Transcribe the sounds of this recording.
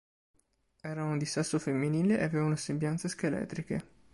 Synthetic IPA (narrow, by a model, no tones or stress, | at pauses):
ɛːɾaund̪isɛsːofemːiniːleʔeaveːvaunasembjant̪seskelɛ̰ːt̪ɾike